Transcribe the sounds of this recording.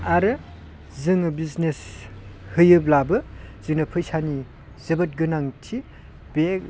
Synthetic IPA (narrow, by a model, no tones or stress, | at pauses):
aɾɯ | zɯŋbizneshɯjɯb̚labɯz̥ɯŋnɐpʰɯjsani | zɐbɐt̚ɡɯnaŋtʰi | b̥ek̚